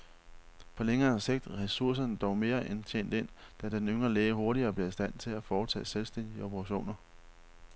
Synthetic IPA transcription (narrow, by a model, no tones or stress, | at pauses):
pʰɒ̽leŋɐːse̝ɡ̥̚d̥ʁɛsuɐs̬ɐnəd̥ɒʊ̰me̝ːɐʔent͡ɕʰḛːn̰d̥e̝n̰ | d̥æd̥enøŋʁɐleːəɦo̝ɐɾiɐːb̥leɐisd̥æn̰t͡sʰe̝læfɒːt͡sʰɛ̰ːselsd̥en̰d̥iəopʰəʁɑɕo̝̰ːnɐ